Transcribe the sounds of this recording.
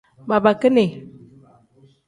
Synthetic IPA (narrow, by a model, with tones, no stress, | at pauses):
ba˨ba˨kə˦ne˨